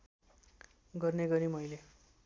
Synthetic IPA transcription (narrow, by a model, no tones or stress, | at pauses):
ɡʌrneɡʌɾimʌjle